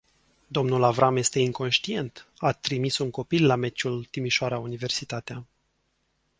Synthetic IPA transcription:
d̪o̞mnulavɾamje̞st̪e̞iŋko̞nʃt̪ie̞nt̪at̪ɾimisuŋko̞pilːame̞t͡ʃult̪imiʃoaɾaunive̞rsit̪at̪ea

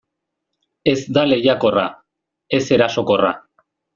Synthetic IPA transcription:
e̞zd̪ale̞jako̞ra̰ | e̞se̞ɾaso̞ko̞ra̰

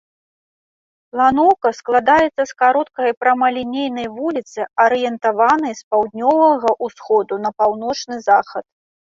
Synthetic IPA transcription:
plˠanɔwkɐsklˠad̪ajɛt̪sːɐskaɾɔt̪̚kɐjpɾɐmɐlʲinʲejnɐjvulʲit̪sɨɐɾɨjɛnt̪avanɐjspawd̪ʲnʲɔvɐɣɐʔusxɔd̪unɐpawnɔt͡ʂnɨzaxɐt̪̚

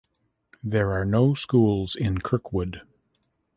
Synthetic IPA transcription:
ðə˞aɹnoʊskulˠzɪ̃nkʰɜ˞kʰwʊd

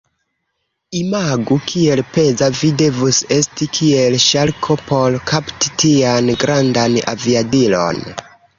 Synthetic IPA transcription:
imaɡukʰie̞lpe̞zavide̞vuse̞stikʰie̞lʃalkʰopo̞ɾkʰapti̥tianɡɾandana̰viadilo̞̰n

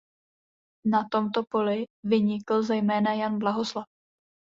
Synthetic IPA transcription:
nat̪o̞mt̪o̞po̞lɪvɪɲɪkl̩zɛjmɛːnajanblaɦo̞slaf

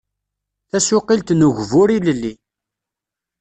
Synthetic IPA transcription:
θæsʊqilt̪nuʝvʊɾiləlːi

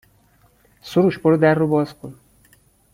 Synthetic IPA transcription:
soɾuːʃboɾed̪ærːobɒːz̥kʰon

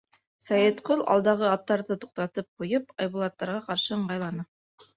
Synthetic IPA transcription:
sɑjit̪qolˠɑ̰lˠd̪ɑʁɤɑt̪ːɑɾðɤt̪u̥q̚t̪ɑt̪ɤp̚qujɤpɑjβulˠɑt̪ːɑɾʁɑqɑɾʃɤɤ̆ɴɢɑjlˠɑnɤ

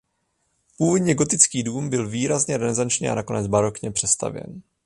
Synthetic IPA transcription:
puːvo̞dɲɛɡo̞t̪ɪt͡skiːduːmbɪlviːɾazɲɛɾɛnɛzant͡ʃɲɛ̰ʔa̰nako̞nɛd͡zbaɾo̞kɲɛpr̝̥ɛst̪a̰vjɛ̰n

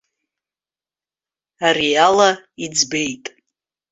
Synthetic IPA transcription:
arialaid͡zbe̞jtʼ

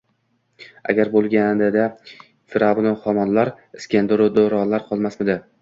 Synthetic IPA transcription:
a̰ɡʲaɾbolˠɡʲanɪd̪a | fɪɾavnɪχɒmɒnlaɾ | ɪskʲend̪ɾʊd̪oɾɒnlaɾqʰɒlˠmasmɪd̪ɪ

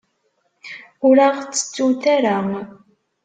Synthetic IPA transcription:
ʊɾaʁt͡sːə̥t͡sːuθaɾa

